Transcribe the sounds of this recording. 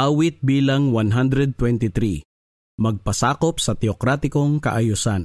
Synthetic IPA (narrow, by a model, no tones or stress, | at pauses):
ʔawɪt̪̚biːlɐŋwanɦand̪ɾɛd̪̚t̪wɛnt̪ɪt̪ɾi | mɐɡ̚pɐsaːkopsɐt̪ɛokɾaːt̪ɪkoŋkɐ̰ʔɐjʊsan